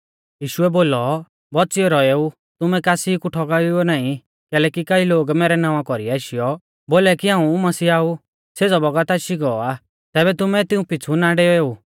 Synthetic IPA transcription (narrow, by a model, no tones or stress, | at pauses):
jiːʃʊɛboːlɔ | bɔt͡ʃiɔɾɔeu | t̪ʊmɛkaːsikuʈʰɔkaʊɔnaːĩ | kɛːlɛkikailoːɡmɛːɾɛnãːʋãkɔɾiaːʃijɔ | boːlɛkiãːũmɐsiːaːu | sed͡zɔbɔɡat̪aʃiɡɔɔa | t̪ɛːβɛt̪ʊmɛt̪ɪũpɪt͡sʰunaɖeɔeːu